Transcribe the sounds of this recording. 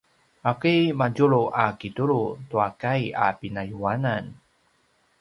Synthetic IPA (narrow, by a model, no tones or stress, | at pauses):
akimaɟuɭuʔakituɭutuakaja̰pinajuanan